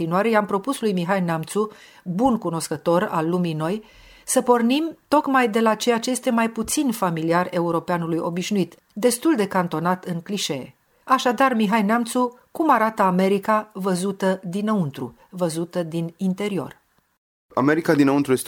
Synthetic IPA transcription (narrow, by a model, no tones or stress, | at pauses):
inuaɾe̞jampɾo̞puslujmiɦajneamt̪su | bunkuno̞skət̪o̞ɾa̰lːumino̞j | səpo̞rnimt̪o̞kmajd̪e̞lat͡ʃe̞jat͡ʃeje̞st̪e̞majput̪sinfamiliare̞uɾo̞peanulujo̞biʃnuit̪ | d̪e̞st̪uld̪e̞kant̪o̞nat̪ɨŋkliʃe̞ḛ | aʃad̪armiɦajnamt̪su | kumaɾat̪əame̞ɾikavəzut̪əd̪inəunt̪ɾṵ | vəzut̪əd̪inint̪e̞ɾio̞̰r | a̰me̞ɾikad̪inəunt̪ɾujest̪